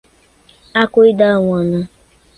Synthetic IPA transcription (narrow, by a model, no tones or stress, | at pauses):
akʷʊidaŋʷɔna